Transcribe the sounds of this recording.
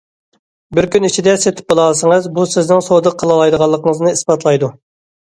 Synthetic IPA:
bɪɾkʲynit͡ʃʰid̪ɛset̪ʰɪ̥p̚olˠɑlˠsəŋəzbusɪznɪŋsod̪əqʰːəlˠɑlˠɑjd̪əʁɑlˠːəqʰəŋəznɨispɑt̪lˠɑjd̪u

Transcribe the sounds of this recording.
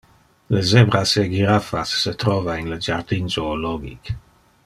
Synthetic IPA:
ləzɛbɾaseɡiɾafasːət̪ɾɔvainləd͡ʒard̪inzoːlɔɡḭk

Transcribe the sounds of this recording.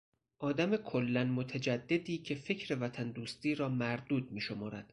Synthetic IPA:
ʔɒːd̪æme̞kʰolːænmot̪ʰæd͡ʒæd̪ːe̞d̪iːcʰe̞fe̞cʰɾe̞væt̪ʰænd̪uːst̪iːɾɒːmæɾd̪uːd̪̚miːʃo̞mɒːɾæd̪̥

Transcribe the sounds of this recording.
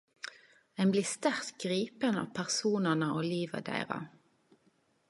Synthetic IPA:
ɛɪnbliːst̪æʁt̪ɡʁiːpənɑ̰ːpʰæʁsuːnənəʔoːliːʋə̰d̪æ̰ɪʁɑ̰

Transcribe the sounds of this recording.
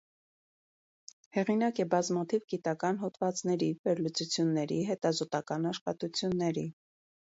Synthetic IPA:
hɛʁinɑkɛbɑzmɑt̪ʰivɡit̪ɑkɑnɦɔt̪vɑt͡snɛɾivɛɾlut͡sut͡sʰjunːɛɾḭɦɛt̪ɑzɔt̪ɑkɑnɑʃχɑt̪ut͡sʰjunːɛɾi

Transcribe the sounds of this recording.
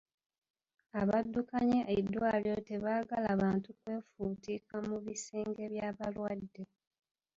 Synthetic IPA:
aβadːukaɲeʔedːwaːljo̞te̞βaːɡalaβaːntukwe̞ːfuːtiːkamuβiseːŋɡe̞βjaːβalwadːe̞

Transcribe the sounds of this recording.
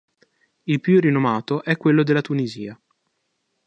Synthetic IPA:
ilpjurinomaːt̪oʔɛkːwelːod̪elːat̪unizḭːa

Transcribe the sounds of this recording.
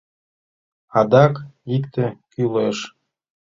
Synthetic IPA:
ɑd̪ɑkikt̪ĕkyleʃ

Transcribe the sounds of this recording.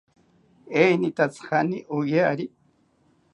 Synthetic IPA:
ejnit̪at͡shaniʔojaːɾi

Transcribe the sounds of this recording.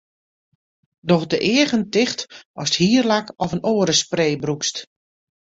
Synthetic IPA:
dɔxdəʔɪəɣəntɪxtɔsthiːərlakɔfənʔoːəɾəspreːbrukst

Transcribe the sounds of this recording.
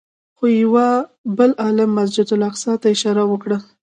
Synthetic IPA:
xojawabəlɑlamːas̬d͡ʒɪd̪ʊlaqsɑt̪aɪʃɑɾawəkɽa

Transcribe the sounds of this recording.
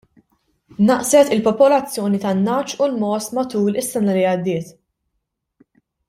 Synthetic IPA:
nːɐʔsɛt̪ɪlpɔpɔlɐt͡sːjɔːnit̪ɐnːɐːt͡ʃulmɔːsmɐt̪uːlɪsːɛnɐliɐd̪ːɪːt̪

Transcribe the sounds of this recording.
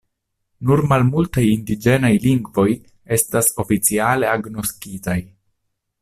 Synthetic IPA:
nuɾmalmultajindid͡ʒe̞najliŋɡvo̞j | e̞stasofit͡siale̞aɡno̞skitaj

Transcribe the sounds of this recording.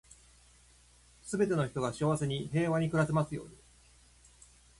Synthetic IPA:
sɨbe̞t̪e̞noçi̥t̪o̞ɡaɕiaβase̞ɲ̟iɦe̞ːβaɲ̟ikɯ̟ɾatemasɨjo̞̰ːɲ̟i

